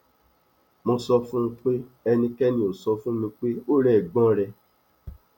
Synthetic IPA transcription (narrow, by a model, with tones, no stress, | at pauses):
mõ˧sɔ˧fũ˦m̃˧k͡pe˦ɛ˧nĩ˧kɛ˦nĩ˧˦o˨sɔ˧fũ˦mĩ˧k͡pe˦o˦ɾɛ˦˨ɡ͡bɔ̃˦ɾɛ˧